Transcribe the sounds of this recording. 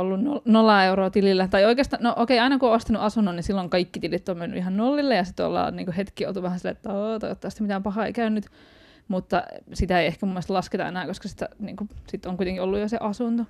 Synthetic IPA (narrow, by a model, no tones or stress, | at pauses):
olːunnonolːɑeuroːt̪ililːæt̪ɑioikeːst̪ɑnnoʔokeiɑinɑkuoːost̪ɑnuʔɑsunːunnisilːoŋkɑikːit̪ilit̪ːommenːy̰ʔihɑnnolːilːejɑsit̪uɑ̰lːɑ̰ːnnḭːŋkuhet̪kio̰lt̪uʋæhænsilːeet̪ːæot̪ɑ̰ot̪ːɑˑst̪æmit̪æːmpɑhɑːḛikæynːyt̪ | mut̪ːɑsit̪æeiehkæmumːelst̪lɑsket̪ɑḛnæːkoskɑsi̥t̪æ̰nḭːŋkusit̪ːoŋkuit̪eŋkiolːujoseʔɑsunt̪o